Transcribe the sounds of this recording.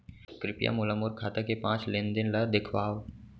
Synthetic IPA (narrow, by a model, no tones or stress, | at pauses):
kɾɪpja̰mʊləmʊɾkʰaːt̪akepãːt͡ʃlend̪ɪnləd̪ɪkʰʋaːw